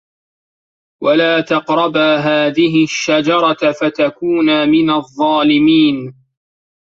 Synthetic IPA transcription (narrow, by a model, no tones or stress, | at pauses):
walaːt̪ɑqɾˤɑbaːɦaːðɪɦɪʃːad͡ʒɑɾˤɑfat̪akuːnamɪnaðˤːɑːlɪmiːn